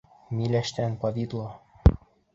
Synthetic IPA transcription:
milæʃt̪ænpɑvid̪lˠo

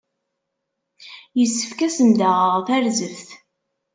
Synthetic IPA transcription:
jəsːə̥fkæsənd̪æʁəʁθæɾzəvθ

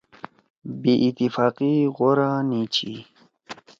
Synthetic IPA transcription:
biʔit̪ifaːqiɣoɾanit͡ɕʰi

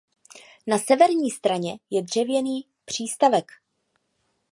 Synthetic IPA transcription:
nasɛvɛɾɲiːst̪ɾaɲɛjɛdr̝̥ɛvjɛniː | pr̝̥iːst̪avɛk

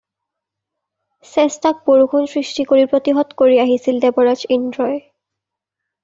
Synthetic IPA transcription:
sɛstak̚boɹukʰonsɹistikoɹipɹot̪iɦɔt̪koɹiaɦisildɛbɔɹad͡ʒindɹɔj

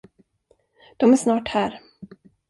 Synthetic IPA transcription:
d̪̥ɔmæʂnɑːʈhæːɾ

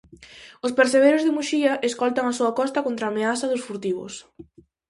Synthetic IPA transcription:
ʊspeɾseβ̞ejɾozðɪmuʃiɐʔeskɔlt̪aŋasuɐakɔst̪ɐkont̪ɾaːmeaθɐðʊsfuɾt̪iβ̞ʊ̰s

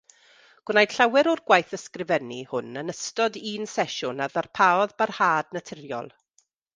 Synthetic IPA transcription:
ɡ̥wnajd̥ɬawɛɾɔrɡwajθəskrɪvɛnihʊnənəstɔdiːnsɛʃʊnaðarpʰaːɔðbarhaːdnatʰɪrjɔ̰lˠ

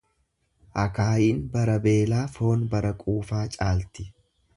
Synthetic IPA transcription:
ʔɐkaːjiːnbɐɾɐbe̞ːlaːfo̞ːnbɐɾɐkʼuːfaːt͡ʃʼaːlt̪ɪ

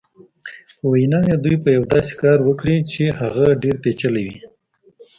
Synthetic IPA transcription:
pəwajnɑjed̪ujpəjawd̪ɑse̥kɑɾwəkɽit͡ʃehaɣaɖeɾpet͡ʃəlewi

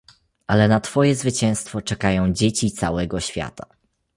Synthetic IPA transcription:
ʔalɛnat̪fɔjɛzvɘt͡ɕɛ̃w̃st̪fɔt͡ʂɛkajɔ̃w̃d͡ʑet͡ɕit̪sa̰wɛɡɔɕfʲja̰t̪a

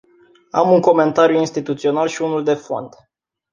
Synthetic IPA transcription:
a̰muŋko̞me̞nt̪aɾjuinst̪it̪ut̪sio̞nalʃiunuld̪e̞fo̞̰nd̪̥

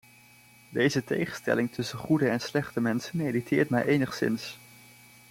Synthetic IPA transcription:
dejzətejχənstɛ̰lɪŋtʰɵsənχudəɛnslɛχtəmɛnsənmejditʰɪːɹtmɛ̰jʔejnəχsɪ̰ns

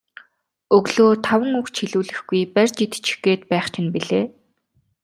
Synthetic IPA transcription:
ɵɣɮoːt̪ʰawə̆ŋukt͡ɕʰiɮuːɮɘ̆xɡujpærʲt͡ɕit̪t͡ɕ̆ʰxɡeːt̪pæːχt͡ɕʰɪ̆npiɮeː

